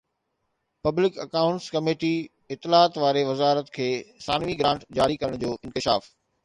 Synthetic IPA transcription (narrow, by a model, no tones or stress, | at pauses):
pɐblɪkɐkaːʊ̃ɳʈskɐmeːʈi | ɪt̪ːɪlaːt̪ʋaːɾeʋɐzaːɾət̪kʰeːsaːnʋiɡɾãːɳʈd͡ʑaːɾikɐɾəɽ̃d͡ʑoːʔɪ̃nkɪʃa̰ːf